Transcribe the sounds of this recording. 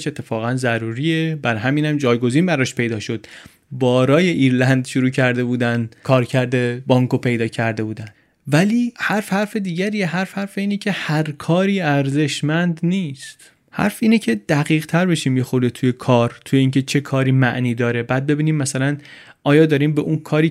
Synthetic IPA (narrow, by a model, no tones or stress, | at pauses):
ʃe̞t̪ʰːe̞fɒːɣænzæɾuːɾiebæɾɦæmiːnæmd͡ʒɒːjɡo̞ziːnbæɾɒːʃpʰe̞jd̪ɒːʃo̞d̪̥ | bɒːɾɒːjeʔiːɾlænd̪ʃuɾuːcʰæɾd̪e̞buːd̪ænkʰɒːɾcʰæɾd̪ebɒːŋkʰopʰe̞jd̪ɒːcʰæɾd̪e̞buːd̪æn | væliːhæɾfhæɾfe̞d̪iːɟæɾiːeɦæɾfhæɾfeiːnecʰe̞hæɾkʰɒːɾiːæɾze̞ʃmænd̪niːst̪ | hæ̰ɾfiːnecʰe̞d̪̥æɣiːʁt̪ʰæɾbe̞ʃiːmjexoɾd̪et̪ʰuje̞kʰɒːɾt̪ʰujeiːŋcʰe̞t͡ʃʰe̞kʰɒːɾiːmæʔniːd̪ɒːɾe̞bæːd̪̚be̞biːniːmːæsælæn | ʔɒːjɒːd̪ɒːɾiːmbeʔunkʰɒːɾiː